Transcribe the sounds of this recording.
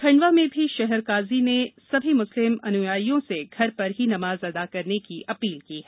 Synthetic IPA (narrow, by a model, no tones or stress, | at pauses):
kʰɐ̃ɳɖʋamẽbʱiʃɛɦɛɾkaːzinesɐbʱimʊslɪmɐnʊjaːijõseɡʱɐɾpɐɾɦinɐmaːzɐd̪akɐɾnekiʔɐpiːlkiːɦɛ